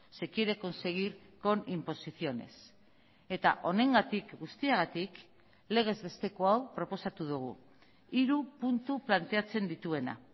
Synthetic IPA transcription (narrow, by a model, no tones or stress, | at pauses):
se̞kieɾeko̞nse̞ɣ̞iɾko̞nimpo̞siθio̞ne̞̰s | e̞t̪a̰ʔo̞ne̞ŋɡat̪ikɡust̪iaɣ̞at̪ik | le̞ɣ̞e̞zβe̞st̪e̞ko̞awpɾo̞po̞sat̪uðuɣ̞ṵ | iɾupunt̪uplant̪e̞at͡se̞nd̪it̪ue̞na̰